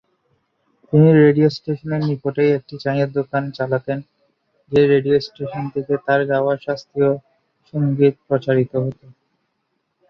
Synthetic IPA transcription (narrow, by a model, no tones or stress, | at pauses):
t̪iniɾeɖiosʈeʃoneɾnipoʈejek̚ʈit͡ɕajeɾd̪okant͡ɕalat̪en | d͡ʑeɾeɖiosʈeʃont̪ʰeket̪aɾd͡ʑaoaʃast̪io | ʃoŋɡit̪̚pɾot͡ɕaɾit̪oɦot̪o